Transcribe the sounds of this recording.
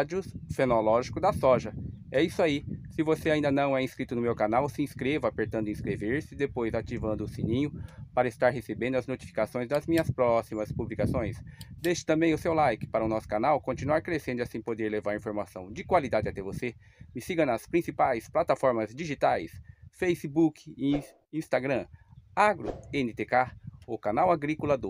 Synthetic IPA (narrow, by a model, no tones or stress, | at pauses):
d͡ʒʊsfenolɔʒikʊd̪ɐsɔʒɐɛisʊaisɪvoseaĩnd̪ɐnɐ̃w̃ɛĩskɾit̪ʊnʊmewkanawsɪĩskɾevɐapeɾt̪ɐ̃nd̪ʊĩskɾeveɾsɪd̪epojzat͡ʃivɐ̃nd̪ʊsĩnĩɲʊpaɾɐɪst̪aɾɦesebẽnd̪ʊɐznot͡ʃi̥fi̥kasõj̃zd̪ɐzmĩɲɐspɾɔsimɐspublikasõj̃sd̪ejʃɪt̪ɐ̃mbẽj̃ʊsewlajkɪ̥paɾɐʊnɔsʊ̥kanawkõnt͡ʃinuaɾkɾesẽnd̪ʊasĩpod̪eɾlevaɾɐĩfoɾmasɐ̃w̃d͡ʒɪkwalid̪ad͡ʒɪat̪ɛvose | mɪsiɡɐ̃nɐspɾĩsipajsplat̪afɔɾmɐzd͡ʒiʒit̪ajsfejsɪbukɪ | ĩst̪aɡɾɐ̃aɡɾʊ̰ẽnɪt̪ekaʊkanawaɡɾikulɐd̪o